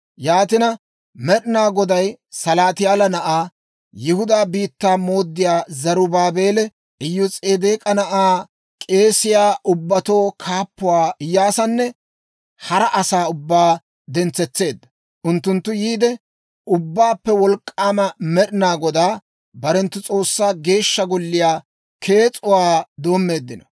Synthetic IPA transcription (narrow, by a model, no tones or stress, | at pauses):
jaːt̪ɪnɐ | mɛɗɪnaːɡɔd̪ɐjsɐlaːt̪ɪjaːlɐnɐʔaː | jɪhʊd̪aːbiːt̪ːaːmo̞ːd̪ːɪjaːzɐɾʊbaːbe̞ːlɛ | ʔɪjːʊt͡sʼeːd̪eːkʼɐnɐʔaː | kʼe̞ːsɪjaːʔʊbːɐt̪o̞ːkʰaːpːʊwaːɪjːaːsɐnːɛ | hɐɾɐʔɐsaːʊbːaː | d̪ɛnt͡sːɛt͡sːe̞ːd̪ːɐ | ʔʊnt̪ːʊnt̪ːʊjiːd̪ɛ | ʔʊbːaːpːɛwɔlkʼːaːmɐmɛɗɪnaːɡɔd̪aː | bɐɾɛnt̪ːʊt͡sʼo̞ːsːaːɡe̞ːʃːɐɡɔlːɪjaː | kʰe̞ːt͡sʼʊwaːd̪o̞ːmːe̞ːd̪ːɪnɐ